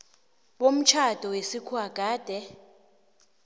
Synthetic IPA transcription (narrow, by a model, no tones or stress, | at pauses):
ɓom̩t͡ʃʰad̥ʱɔwesikʰwaɡ̥ʱaːd̥ʱɛ